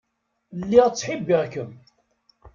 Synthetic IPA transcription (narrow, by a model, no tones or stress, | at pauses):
lːiʁt͡sːħibːiʁkəm